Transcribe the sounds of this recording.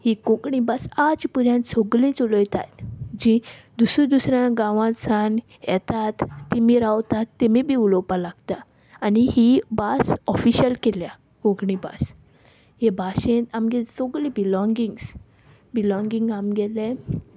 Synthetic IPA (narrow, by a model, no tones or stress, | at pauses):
hikõkɳibasad͡ʑpuɾjãnt̪sɔɡlĩt͡solɔjt̪a̰t̪d͡ʑĩd̪usud̪usɾjãɡãʋãsan | jɛ̰t̪at̪ːimiɾawt̪at̪ːemibʱiulɔpalaɡt̪aː | nihibasɔfiɕəlkelja | kõkɳiba̰s | ɦebaɕẽt̪amɡɛsoɡlĩbilɔ̃ŋɡiŋɡs | bilɔ̃ŋɡiŋɡamɡɛlẽ